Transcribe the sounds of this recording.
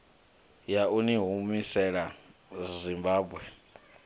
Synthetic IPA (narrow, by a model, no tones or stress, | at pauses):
jauniɦumisɛɺazʷimbaːbwɛ